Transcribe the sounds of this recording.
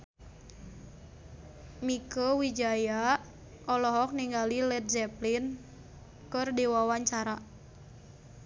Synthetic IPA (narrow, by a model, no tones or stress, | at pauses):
mikəwid͡ʒaja | ʔɔlɔɦɔk̚niŋɡalilɛt̪̚d͡ʒɛplin | kɨrdiwawaɲt͡ʃaɾa